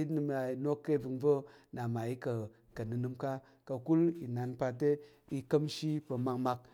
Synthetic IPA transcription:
i˦nɨ˧ma˨i˨no˦kːe˦˨vɨ˨ŋvə˦ | na˨ma˨i˦kə˨ | kə˨nɨ˨nɨ˧mka˦ | ka˧ku˦li˨na˨npa˧te˦ | i˧kə˦mʃi˦pə˧ma˧ŋma˧k̚

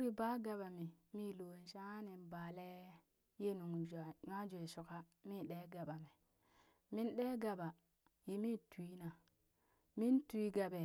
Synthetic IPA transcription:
u˦ɾi˨ba˦ɡa˨ɓa˨mi˨mi˦lo˨n˨ʃa˦a˦ne˨nba˨le˦ | je˦nu˨ŋ˨d͡ʒa˨ɲa˦d͡ʒo˨e˨su˨ka˦mi˦ɗe˦ɡa˨ɓa˨mi˨ | mi˦nɗe˦ɡa˨ba˨ | ji˨mi˦tu˨i˦na˨ | mi˦ntu˨i˦ɡa˨be˨

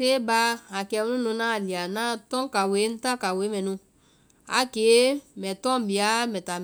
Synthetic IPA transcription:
e˦ba˧a˨kɛ˨m˦nũ˦nũ˧nã˦˨li˨a˨nã˦tɔ̃˦ŋ˦ka˨we˨˦n̩˦ta˦ka˨we˨˦mɛ̃˨nũ˧ | a̰˨˦ke˨˦mɛ˨tɔ̃˦m˨bi˨a˨˦mɛ˨ta˨

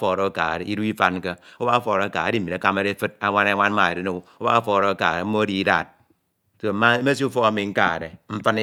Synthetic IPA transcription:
fo˨ɾo˦ka̰˨ɾe˨˦i˦ɾu˦i˦fa˦n˦ke˦o˦ba˦fo˨ɾo˨˦ka̰˨a˨˦di˦˨i˨a˨˦ka˦ma˦ɾe˦fɨ˦t̚a˦ŋʷa˦na˦ŋʷa˦n˦a˨e˨ɾe˦ne˦˨˦o˦ba˦fo˦˨ɾo˦˨ka̰˨ɾe˨m̩˦o˦di˦da̰˨t̚ | so˦˨˦ma˦me˦s̬i˦u˦fo˦a˦mi˨ŋ̩˦ka̰˦˨ɾe˨m̩˦fa˦n˦

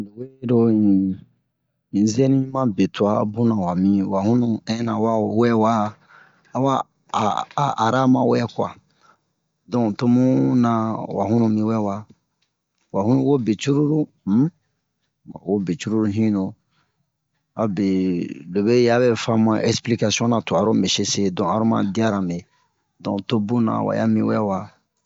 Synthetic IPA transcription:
de˨we˦ɾo˦ĩ˨ | ĩ˨zɛ˦nĩ˦mã˦be˨ta̰˨˦bũ˦nã˨wa˨mĩ˦wa˨hũ˦nũ˨ɛ̃˦nã˨wa˦˨wɛ˦wa˦ | a˨wa˦˨ | a˨ɾa˦mã˨wɛ˦ku˦a̰˨ | dɔ̃˨to˦mũ˦nã˨wa̰˨ɦũ˦nũ˨mĩ˨wɛ˦wa˨ | wa˨hũ˦nũ˦wo˦be˨t͡ʃu˦ɾu˦ɾu˦ | a˨wo˦be˨t͡ʃu˦ɾu˦ɾu˦ɦĩ˦no˨ | a˨be˨lo˨bɛ˦ja˦bɛ˦fã˦mã˦ʔɛ˦spli˦ka˨si˦ɔ̃˦na˨to˨a˨ɾõ˦bɛ˨se˦se˦dɔ̃˨a˦ɾõ˦mã̰˦˨di˦a˦ɾã˨be˨ | dɔ̰̃˨to˦bũ˦nã̰˨wa̰˨ja˦mĩ˦wɛ˦wa˨

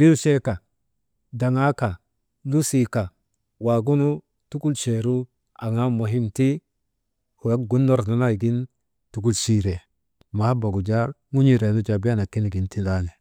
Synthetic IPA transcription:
ɾi˦u˦ʃe˦ka˨ | da˨ŋa˦ka˨ | lu˦si˦˨ka˨ | wa˨ɡu˦nu˦ | tu˦ku˦lʃe˨ɾu˦ | a˨ŋa˦mo˨ɦi˦mti˦ | hu˨ja˦ɡu˦nːo˦ɾna˦na˦˨ɡi˦n | tu˨ku˦lʃi˦ɾe˨ | ma˨˦ba˨ɡu˨d͡ʒa˦ɾŋu˦ɲi˦˨ɾe˨nu˦d͡ʒa˨ba˦na˨ki˦ni˨ɡi˨nti˦la˦ne˨

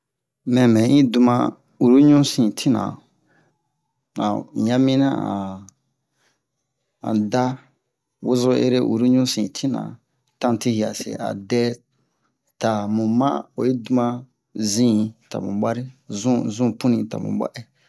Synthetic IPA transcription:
mɛ̃˨mɛ̃˨˦ĩ˦du˧mã˧ | u˨ɾu˦ɲũ˦sĩ˨tʰi˦nã̰˨ | nã˨jã˦mĩ˦nã̰˦ã˨ | ã̰˨da˦ | wo˦zo˦ḛ˦ɾe˦ʔṵ˨ɾu˦ɲũ˦sĩ˨tʰi˦nã̰˨ | tã˦˨ti˦hi˨a˨sḛ˨a̰˨dɛ˦ | ta˨mũ˨mã̰˦o˨ji˦du˦mã˦ | zĩ˦ta̰˨mṵ̃˨ba˦ɾi˦zũ˦zũ˦pũ˦nĩ˨ta̰˨mṵ̃˨ba̰˦ʔɛ˦

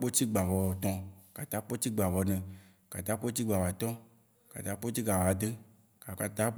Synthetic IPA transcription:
k͡po˦t͡ɕ̪i˦ɡ͡ba˨vɔ˨wɔ˨t̪ɔ̃˨ka˨t̪a˨˦k͡po˦t̪i˦ɡ͡ba˨vɔ˨nɛ̃˨ | ka˨t̪a˦k͡po˦t͡ɕ̪i˦ɡ͡ba˨vo˨a˨t̪ɔ̃˦ | ka̰˨t̪a˨˦k͡po˦t͡ɕi˦ɡ͡ba˨va˨d̪e˦ | ka˨ka˨t̪a˦

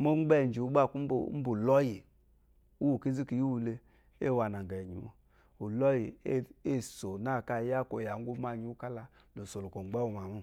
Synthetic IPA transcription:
mo˦ŋ͡m̩˦ɡ͡bɛ˦˨n˨d͡ʒi˨u˦ɡ͡ba˦˨ku˦m˦b̰m̩˦bu˨lɔ˦ji˨ | u˦wu˨ki˦zi˦ki˨ju˦wu˧le˧ | ḛ˦˨wa˨na˨ŋ˨ɡɛ˨ɲḭ˨w̰ | u˨lɔ˦ji˨˦e˦˨so˨na˦˨ka˧˨˦ja˦ko˨ja˨ŋ̩˦ɡu˦ma˧˨ɲi˨˦u˦ka˦la˧ | lo˨so˨lo˨ko˨ŋ͡mɡ͡bɛ˦wu˨ma˨mu˦˨

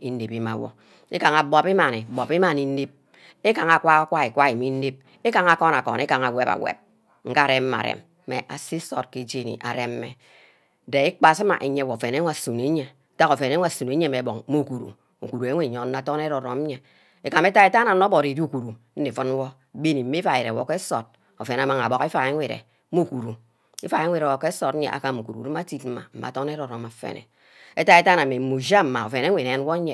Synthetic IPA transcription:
i˦n˦e˨pi˦ma̰˨˦wo̰˦ | ḭ˦ka˨ŋa˨bɔ˨pi˦ma˨ni˨bɔ˨pi˦ma˨ni˨n̩˦ne˦p̚ | e˦ka˨ŋa˨kʷa˦kʷa˦i˨kʷa˦i˨mi˦n̩˦de˦p̚ | e˦ka˨ŋa˨kɔ˦na˨kɔ̰˨ne˦ka˨ŋa˨we˦˨pa̰˨wḛ˨p̚ | ŋ̩˦ka˦˨ɾe˦m̩˦ma̰˨ɾḛ˨mːḛ˨ʔa̰˨si˦so̰˨t̚ke˨d͡ʒe˦˨nḭ˨ʔa̰˨ɾe˨m˦mḛ˨ | de˨i˦k͡pa˨si˦ma̰˨ʔe˨ɲe˦wo˨fe˨ne˦ŋʷ˦a˦˨su˨ne˦ɲe˨ta˦ko˨fe˨n˨e˦ŋʷ˦a˨su˨n˨˦e˦me˨bo˨ŋ˦mo˦˨ku˨ɾṵ˨ | ṵ˨ku˨ɾu˨e˨˦ŋʷe˦˨ɲo˨n̩˦a˨to˦n˦e˦ɾo˨ɾo̰˨m˦ɲe˨ | e˨ka˨me˦ta˦e˦ta˦na˨n̩˦no˦bo˨ɾi˨di˦u˦˨ku˨ɾu˨ | n̩˦ne˨fɔ˦n˦wɔ˦ | be˦ni˨˦me˦fa˨e˨ɾe˨wo̰˦ke˦so˨t̚ | o̰˨fe˨n˨a˨ma˦ŋa̰˨bo˨ke˦fa˨e˦ŋʷe˨ɾḛ˨˦ | mo˦˨ku˨ɾu˨ | i˦fa˨e˦ŋʷ˦e˨ɾe˨wo˨ke˦so˨tn̩˦ɲḛ˨ʔa̰˨ka˨u˨ku˨ɾṵ˨˦ɾu˦m˦a˦ti˦tm̩˦ma̰˨m̩˨ma̰˨to˦n˦e˦ɾo˨ɾo˨ma˨fḛ˨nḛ˨ | e˦ta˦e˦ta˦na˨me˨mu˨d͡ʒa˦m̩˦ma̰˨o̰˨fe˨ne˦wʷe˨ɾe˨e˦n˦wo˦ɲe˨

